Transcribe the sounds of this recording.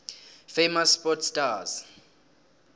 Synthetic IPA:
femasːpɔtʰstaz

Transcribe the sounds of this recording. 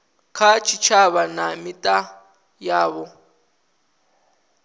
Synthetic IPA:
kʰat͡ʃʰit͡ʃʰaβanamitʼa | jaːβɔ

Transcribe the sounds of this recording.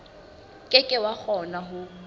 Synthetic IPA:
kʼɪkʼɪwak͡xʰɔnaɦʊ

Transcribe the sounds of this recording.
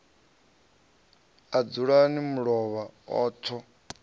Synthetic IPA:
ad͡zuɺanimuɺɔβaɔ̰ːtʰɔ

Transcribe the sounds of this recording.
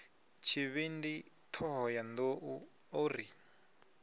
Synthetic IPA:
t͡ʃʰiβindi | tʰɔɦɔjand̪oʔuori

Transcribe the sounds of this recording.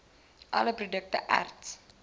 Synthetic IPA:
ʔɐ̰ləprodək̚tə̰ʔa̰rts

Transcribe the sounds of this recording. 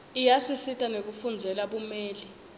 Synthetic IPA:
ijasisitʼanek̬ufund͡zʱɛlaɓumɛːli

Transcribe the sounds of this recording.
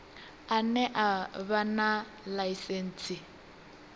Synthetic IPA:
anɛʔaβana | laisɛn̩ːt͡sʰʼi

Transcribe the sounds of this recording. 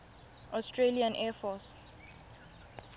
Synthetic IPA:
ʔɔstʰɹeliãnʔɛfɔs

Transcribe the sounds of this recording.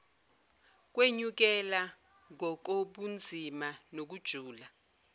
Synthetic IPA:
k̬weɲuk̬ɛla | ŋɔk̬oɓund͡zʱimanok̬ud̥ʒ̥ʱuːla

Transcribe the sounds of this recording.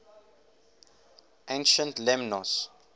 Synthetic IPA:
ʔẽnʃə̃ntlɛmnɔs

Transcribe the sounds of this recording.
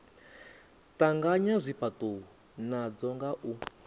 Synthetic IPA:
taŋɡaɲazʷipatuu | nad͡zɔŋɡaʔu

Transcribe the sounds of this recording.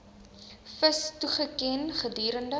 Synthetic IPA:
fəstuχəkɛnχədyːɾəndə

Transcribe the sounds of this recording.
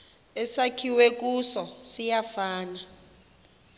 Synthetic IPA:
ɛsakʰiwek̬ʼusɔsijafaːna

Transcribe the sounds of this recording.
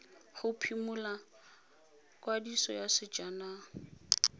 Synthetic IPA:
χʊpʰimula | kwadisɔjasɪd͡ʒana

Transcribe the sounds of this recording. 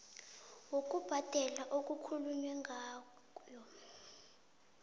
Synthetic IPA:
wok̬ʼub̥ʱad̥ʱɛlaʔok̬ʼukʰuluɲwɛŋɡʱaː | jɔ

